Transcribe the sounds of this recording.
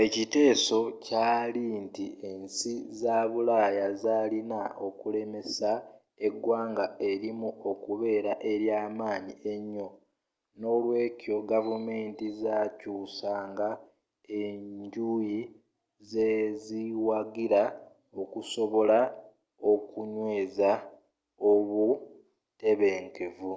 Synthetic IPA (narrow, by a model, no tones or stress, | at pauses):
e̞cite̞ːso̞caːlintie̞nsizaːβulaːjazaːlinao̞kule̞me̞sa | e̞ɡwaːŋɡae̞ɾimuo̞kuβe̞ːɾaʔe̞ɾjaːmaːɲiʔe̞ɲːo̞ | no̞lwe̞ːco̞ɡavume̞ːntizaːcuːsaːŋɡa | e̞ɲɟuji | zeziwaɡiɾa | okuso̞βo̞la | o̞kuɲwe̞ːza | oβu | te̞βe̞ːŋke̞vu